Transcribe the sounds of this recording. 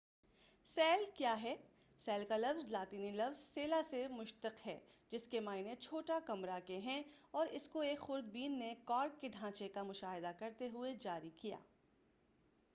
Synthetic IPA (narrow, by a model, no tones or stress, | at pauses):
sɛːlkjaːɦɛː | sɛːlkalɐfzlaːt̪iːnilɐfzseːlasemʊʃt̪əqɦɛ̰ːd͡ʒɪskemaːɪnet͡ʃʰoːʈakɐmɾakeɦɛ̃ɔːɾɪskoeːkxʊɾd̪̚biːnːekaːɾʈ̚keɖʱãːt͡ʃekamʊʃaːɦɪd̪akɐɾt̪eɦʊed͡ʒaːɾikija̰ː